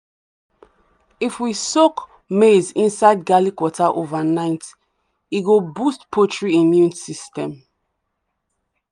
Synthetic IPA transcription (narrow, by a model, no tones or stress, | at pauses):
ifwisok | mezĩnsaɪd̚ɡalikwɔtʰaʔovanaɪt | iɡobustpʰotɹiĩmjũnsistɛ̃m